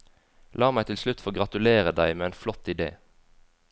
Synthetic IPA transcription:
lɑːmæɪt̪ʰɪlslʉt̪foːɡʁɑt̪ʉleːʁəd̪æɪmeːeːnflɔt̪ɪd̪ḛː

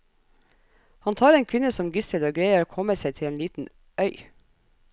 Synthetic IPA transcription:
hɑnt̪ʰɑːɾeːŋkʰʋɪnəsɔmɡɪsəɾoːɡɾeɪəɾoːkʰɔməseɪt̪ʰɪleːnliːt̪n̩ | ʔœʏ

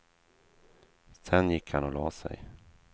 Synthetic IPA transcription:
sɛnjɪkːhanɔlɑːsɛ̰j

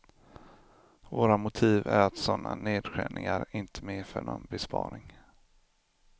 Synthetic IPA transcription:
voːɾamʊt̪ʰiːvæɾat̪sɔnːaneːd̪ɧæːɳʔɪŋaɾɪnt̪ʰə̥meːfœɳɔnbɛspʰɑːɾɪŋ

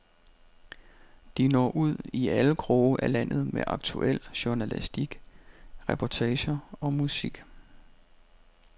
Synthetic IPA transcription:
d̥inɒ̰ːʔuð̰ˠiæləɡ̥ʰʁoːbəʔælæn̰ð̞̩ˠmeʔɑ̈ɡ̥t͡sʰṵʔel̰ɕunælḭsd̥iɡ̥ʁɛpʰɒt͡sʰɛːɕɐɒ̽musiɡ̥

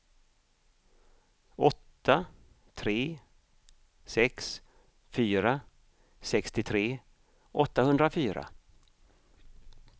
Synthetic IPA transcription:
ɔt̪ːa | t̪ʰɾeː | sɛks | fyːɾa | sɛkst̪ɪt̪ʰɾeː | ʔɔt̪ːahɵnd̪ɾafyːɾa̰

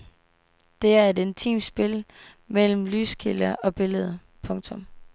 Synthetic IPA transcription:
d̥e̝æɐe̝d̥e̝nt͡sʰḭːmd̥sb̥e̝l | mel̰m̩ly̰ːskʰilɐʔɒ̽b̥e̝ləð̞ˠ | pʰɔ̽ŋt͡sʰɔ̽m

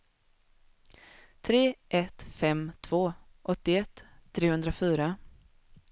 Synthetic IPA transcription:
t̪ʰɾeːʔɛt̪fɛmt̪ʰv̥oːʔɔt̪ːɪɛt̪ʰːɾeːhɵnd̪ɾafyːɾa

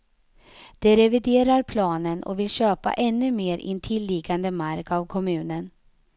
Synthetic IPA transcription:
d̪̥ɛɾɛvɪd̪eːɾaɾpʰlɑːnənʔɔ̰vɪlɕøːpa̰ʔɛnːɵmeːɾʔɪ̰nt̪ʰɪlːiːɡand̪əmaɾkavkʰɔmʉ̟ːnən

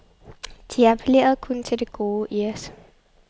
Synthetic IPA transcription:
d̥iæpʰele̝̰ːɐð̞̩ˠkʰɔ̽nt͡sʰe̝ld̥e̝ɡ̥o̝ːʔiɒs

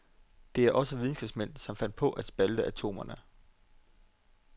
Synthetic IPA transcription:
d̥e̝æɐʔɒ̽səʋiðˠn̩sɡ̥ɛb̥smen̰sɒ̽mfæn̰d̥̚pʰɒ̽ʔæd̥sb̥æld̥əʔæt͡sʰo̝̰ːmɐnə

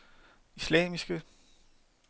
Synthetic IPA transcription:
islɛ̰ːmisɡ̥ə

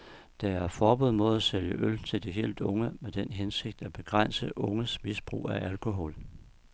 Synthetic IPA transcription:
d̥ɑæɐfɒːb̥uð̰ˠmɔðˠæseljəʔølt͡sʰe̝ld̥iɦe̝̰ːld̥ɔ̽ŋəmed̥enɦense̝ɡ̥̚d̥æb̥e̝ɡ̥ʁɑn̰səʔɔ̽ŋəsmisb̥ʁṵːæʔælkʰo̝ɦɔ̰̽l

